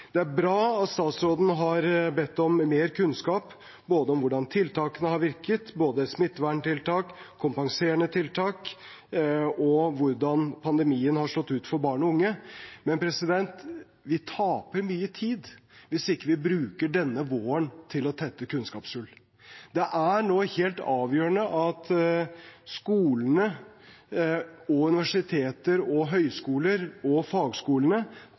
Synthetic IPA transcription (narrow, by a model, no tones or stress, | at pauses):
d̪ɛæɾbɾɑːɑt̪st̪ɑːt̪sɾoːd̪n̩ɦɑɾbɛt̪ːɔmːeːɾkʰʉnskɑːp | boːd̪əɔmʋʊɖɑnt̪ʰɪlt̪ʰɑːkənəhɑɾʋɪɾkət̪boːd̪əsmɪt̪ːʋæːɳʈ̪ɪlt̪ʰɑːkkʰːʊmpɑŋseːəɳət̪ʰɪlt̪ʰɑːk | ɔʋʊɾɖɑnpʰɑnd̪ɛmiːənhɑʂɭɔt̪ːʉːt̪fɔɾbɑːɳɔʊŋːəmɛnpʰɾɛsɪd̪ɛnt̪ | ʋɪt̪ʰɑːpəɾmyːət̪ʰiːd̪ʋɪsɪkːəʋɪbɾʉːkəɖɛnːəʋoːənt̪ʰɪlɔt̪ʰɛt̪ːəkʰʉnskɑːpsʉl | d̪ɛʔæɳoːheːlt̪ɑːʋjøːɾənəʔɑt̪ | skuːlənə | ɔʉnɪʋæʂɪt̪ʰeːt̪əɾɔɦœʏskuːləɾɔfɑːɡskuːlənə